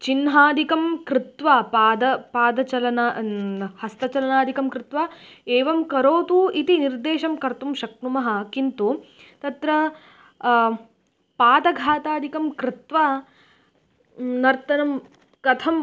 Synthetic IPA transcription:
t͡ʃinɦaːd̪ikɐmkɾɪt̪ʋapaːd̪ɐpaːd̪ɐt͡ʃɐlɐnahɐst̪ɐt͡ʃɐlɐnaːd̪ʱikɐmkɾɪt̪ʋaːeːʋɐmkɐɾoːt̪uit̪iniɾd̪eːʃɐmkɐɾt̪umʃɐknumɐɦɐ̆kint̪u | t̪ɐt̪ɾɐ | paːd̪ɐɡʱaːt̪aːd̪ikɐmkɾɪt̪ʋa | nɐɾt̪ɐnɐm | kɐt̪ʰɐm

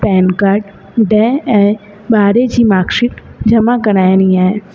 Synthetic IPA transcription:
pɛːnkaɾʈ | ɖɛːɛ | baːɾed͡ʒimaːkʃɪkd͡ʒɐmakɐɾaːeniaːe

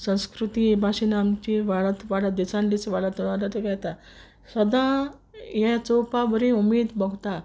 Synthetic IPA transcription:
sə̃w̃skɾut̪ibʱaɕinamt͡ɕiʋaɭət̪ʋaɽad̪isãnlit͡sʋaɭat̪ɔɽ̃aɾat̪ekajt̪a | səd̪ã | jɛ̃t͡sopabəɾĩumiːd̪bəɡʱt̪a

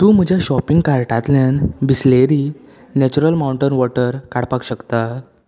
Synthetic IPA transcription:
t̪ũːm̤əd͡ʑʱjaɕɔpiŋɡkaɾʈat̪ljanbisleɾi | nɛt͡ɕuɾəlmauɳʈənʋɔʈəɾkaɽpakɕəkt̪a

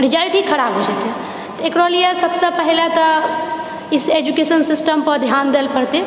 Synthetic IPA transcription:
ɾɪd͡ʒalʈikʰɐɾabɦod͡ʒaːt̪ɦɛ | t̪ekɾolijəsəbsepəɦɪlet̪ɔ | ɪsed͡ʒukesənsɪsʈəmpəɾd̪ʱjaːnd̪elpəɾt̪e

